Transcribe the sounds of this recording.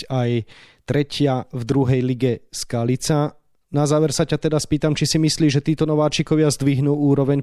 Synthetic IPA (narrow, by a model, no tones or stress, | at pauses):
ajt̪ɾɛcɪavd̪ɾuɦɛjliɡɛskalit͡sa | nazaːʋɛɾsacat̪ɛd̪aspiːt̪amt͡ʃisimisliːʒɛt̪iːt̪ɔnɔʋaːt͡ʃikɔʋɪazd̪ʋiɦnuːuːɾɔʋɛɲ